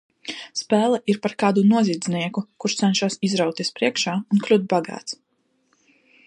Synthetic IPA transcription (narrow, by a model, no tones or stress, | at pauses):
spɛːlˠɛʔiɾpaɾkaːd̪unuɔzʲiːd̪zniɛkukuɾʃt̪sɛnʃaːsizɾawt̪ʲispɾiɛkʃaːunklʲut̪̚baɡa̰ːt̪s